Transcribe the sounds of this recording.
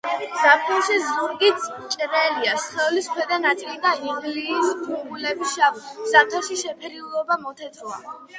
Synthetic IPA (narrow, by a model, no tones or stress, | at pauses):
z̥aɾt̪ʰɔlˠʃizuɾɡit̪ | t͡ʃʼɾɛliasχɛliskʰwɛd̪anat̪sʼilid̪aiʁlit̪ʰubulɛbisʃavz̥at̪ʰɔʃiʃɛpʰɛɾiulˠɔbamɔt̪ʰɛt̪ʼɾua̰